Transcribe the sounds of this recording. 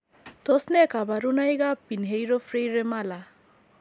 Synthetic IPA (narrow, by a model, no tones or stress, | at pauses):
t̪ɔsnɛkabaɾunajɡapinɦejɾɔfʰɾejɾemala